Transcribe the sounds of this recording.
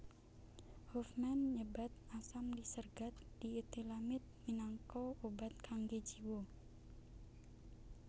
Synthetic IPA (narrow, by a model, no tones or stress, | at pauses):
hofmanɲəbat̪̚asamdisərɡat̪̚d̥iet̪ilamɪt̪̚minaŋkɔobat̪̚kʰaŋɡed͡ʒiwo